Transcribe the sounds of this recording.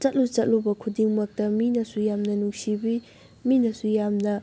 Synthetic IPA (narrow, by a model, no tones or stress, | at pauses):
t͡ʃɐt̚lut͡ʃɐt̚lubɐkʰudiŋmɐk̚tɐminɐsujamnɐnuŋsibi | minɐsujamnɐ